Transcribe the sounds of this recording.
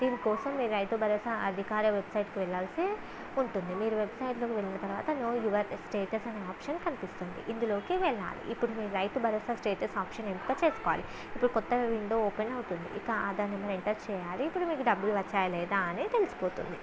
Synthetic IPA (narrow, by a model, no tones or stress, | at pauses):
d̪iːnikɔːsɐmːiːɾɾɐjt̪ubɐɾɐːsaɐd̪ʱikaːɾɐʋe̞bsɐjʈkiʋɛɭːaːlsi | uɳʈund̪imiːɾuʋe̞bsɐjʈlo̞ːkiʋe̞ɭːinɐt̪ɐɾʋa̰ːt̪ɐnoːjuʋɐɾsʈe̞ːʈɐsɐneːaːpʂɐnkɐnipist̪und̪ḭʔind̪ulo̞ːkiʋɛɭːa̰ːlḭʔipːuɽumiːɾuɾɐjt̪ubʱɐɾoːsɐsʈeːʈɐsaːpʃɐnemp̪ukɐt͡ʃe̞ːsu̥kɔʋa̰ːli | ipːuɽukɔt̪ːɐʋiɳɖooːpenɐwut̪und̪ḭʔikɐaːd̪aːnɐmːɐɾiɳʈɐɾt͡ʃɛːjaːliːpːuɽumiːkuɖɐbːuluʋɐt͡ʃːaːjɐlɛːd̪aɐneːt̪e̞lusi̥poːt̪ṵnd̪i